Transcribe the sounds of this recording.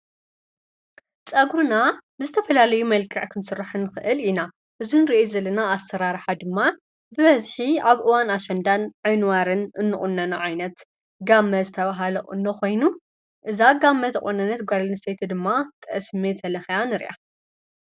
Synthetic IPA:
t͡sʼɐɡɾunabɨzɨt̪ʰɐfɐlalɐjumɐlkʰɐʕkʰɨnsɨraħɨnɨxɨʔɨlina | ʔɨzunɾiʔezɐlɐnaːsɐɾaɾħad̪ɨmːa | bɨβɐzħiaβʔɨwanaʃɐnd̪anʕɨjnwaɾɨnɨnːɨχʼʊnːɐnaʕajnɐt̪ | ɡamːɐzɨt̪ʰɐβaɦalɐʔʼɨ̰nːokʰo̞jnu | ʔɨzaɡamːɐzɐχʼonɐnːɐt̪ɡʷalɐnɨset̪ʰd̪ɨmːat̪ʰʼɐʔsmet̪ʰɐlɐxjanɨɾʔa̰

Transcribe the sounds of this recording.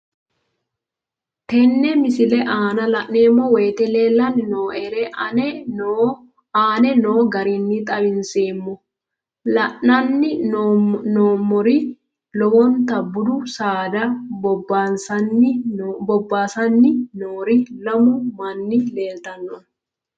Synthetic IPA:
t̪ɛnːɛmɪsɪlɛʔaːnɐlɐʔneːmːɔweːt̪ɛle̞ːlːɐnːɪnoːʔɛɾɛ | aːnɛno̞ːɡɐɾiːnːɪt̪ʼɐbɪnseːmːɔ | lɐʔɐnːɪ | noːmːɔɾi | lɔwɔnt̪ɐbːʊd̪ʊsaːd̪ɐɔansɐnːɪbɔbːaːsɐnːɪnoːɾilɐmʊmɐnːɪleːlt̪ɐnːɔn

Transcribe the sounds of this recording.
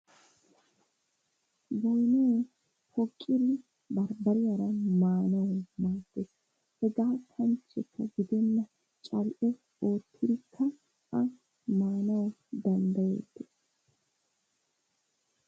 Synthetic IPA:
bɔjnuː | hɔkʼːɪɾɪ | bɐɾbɐɾɪjɐɾɐmaːnɐwmaːɡːes | hɛɡaːt̪ʰɐnt͡ʃːɛkːɐɡɪd̪ɛnːɐ | t͡ʃʼɐlʔɛ | o̞ːt̪ʰːɪd̪ɪkʰːɐ | ʔɐ | maːnɐwd̪ɐnd̪ɐjḛːt̪ːɛ̥

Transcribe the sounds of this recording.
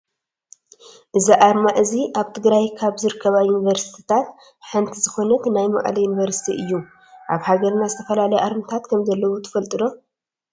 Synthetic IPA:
ʔɨziʔaɾmaʔɨziʔaβt̪ʰɨɡɾajkʰaβzɨɾɨkʰːɐβajunivɐɾsi̥t̪ʰi̥t̪ʰat̪ | ħɨnt̪ʰizɨxo̞nɐt̪najma̰ʔʼlɐjunivɐɾsi̥t̪ʰiʔɨjːu | ʔaβhaɡɐɾnazɨt̪ʰɐfɐlalɐjʔaɾmɨt̪ʰat̪kʰɐmzɐlːɐwot̪ʰɨ̥fɐlt̪ʼɨd̪o̞

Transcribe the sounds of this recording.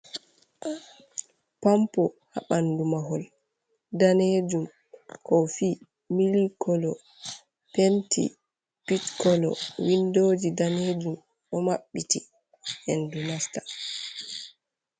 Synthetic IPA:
ʔa | pampɔ | ha̰ɓandumaɦɔl | daned͡ʒum | kɔfiː | milikɔlɔ | pentʰḭ | pitkɔlɔ̰windoːd͡ʒidaneːd͡ʒum | ʔɔmaɓːiti | ʔɛndunastḁ

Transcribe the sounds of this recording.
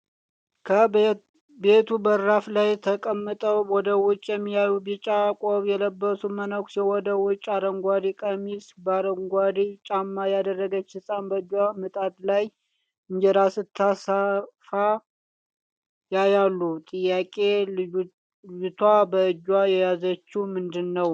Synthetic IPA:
kʰə | be̞t̪ʰubəɾɾaflajt̪ʰəkʼəmːɨt̪ʼəwwɔd̪əwʊt͡ʃʼːjɛmːijajubit͡ʃʼakʼoβjɛləbːəsumənəkʷsiwɔd̪əwʊt͡ʃʼːaɾəŋɡʷad̪ikʼəmisbaɾəŋɡʷad̪it͡ʃʼamːajad̪ərːəɡət͡ʃːhɨsʼanbəɨd͡ʒwamɨt̪ʼad̪laj | ɨɲd͡ʒɛɾasɨt̪ʰːasafa | jajalːut̪ʼɨjːakʼe̞ | t̪ʰwabəɨd͡ʒwajɛjazət͡ʃːumɨnd̪ɨnːəw

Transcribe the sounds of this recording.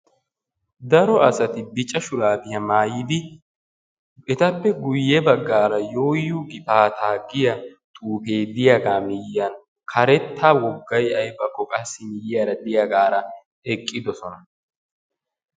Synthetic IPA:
d̪ɐɾɔʔɐsɐt̪ɪbɪt͡ʃʼːɐʃʊɾaːbɪjɐmaːjɪd̪ɪ | ɛt̪ɐpːɛɡʊjːɛbɐɡːaːɾɐjo̞ːjːuɡɪpaːt̪ʰaːɡɪjɐt̪ʼuːpe̞ːd̪ɪjɐɡaːmɪjːɐn | kʰɐɾɛt̪ːaːwɔɡːɐjɐjbɐkːɔkʼɐsːɪmɪjɪjɐɾɐd̪ɪjaɡaːɾɐ | ɛkʼːɪd̪ɔsɔnɐ

